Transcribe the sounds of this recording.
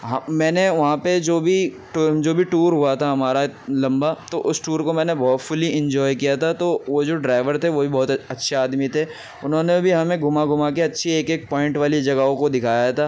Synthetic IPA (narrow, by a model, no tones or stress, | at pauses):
ɦɐmɛːneʋɐɦãped͡ʒoːbʱi | ʈd͡ʒoːbʱiʈuːɾɦuat̪ʰaɦɐmaːɾalɐ̃mbat̪oʔʊsʈuːɾkomɛ̃ːnebɔːt̪fʊliɪ̃ɲd͡ʒɔːjkijat̪ʰat̪oːʋod͡ʒoːɖɾaːɪʋəɾt̪ʰeʋobʱibɔːt̪ɐtːʃʰeaːd̪mit̪ʰeː | ʊnɦõːnebʱiɦɐmẽɡʱʊmaɡʱʊmakeɐtːʃʰieːkeːk̚pɔːɪ̃ɳʈʋaːlid͡ʒɐɡaɦõkod̪ɪkʰaːjat̪ʰaː